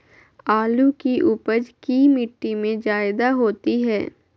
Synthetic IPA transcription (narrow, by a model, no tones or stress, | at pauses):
aːlukiʔupəd͡ʒkiːmɪʈːimẽd͡ʒaːɪd̪aɦoːt̪iɦɛː